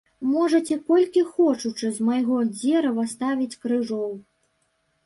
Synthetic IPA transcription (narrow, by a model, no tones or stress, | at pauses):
mɔʐɐt͡sʲɛkɔlʲkʲixɔt͡ʂut͡ʂɨzmajɣɔd͡zʲɛɾɐvɐst̪avʲit͡sʲkɾɨʐɔw